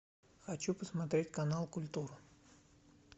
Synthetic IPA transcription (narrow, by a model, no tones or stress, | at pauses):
xɐt͡ɕupəsmɐt̪ɾʲetʲkɐnalˠkʊlʲt̪uɾɨ